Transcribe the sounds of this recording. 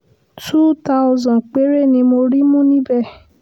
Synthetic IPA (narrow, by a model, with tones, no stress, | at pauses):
tu˦ta˦ʊzɔ̃˨n˨k͡pe˨˦ɾe˦˨nĩ˧mo˧ɾi˦mũ˦nĩ˦bɛ˦˨